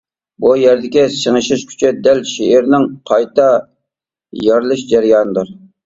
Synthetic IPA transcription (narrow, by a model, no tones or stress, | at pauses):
bujæɾd̪ɪkʲɪsəŋɨʃɪʃkʲʰy̥t͡ʃʰyd̪ælʃeɪɾnɪŋqʰɑjt̪ɑ | jɑɾlˠɨʃd͡ʒɛɾjɑːnɨd̪uɾ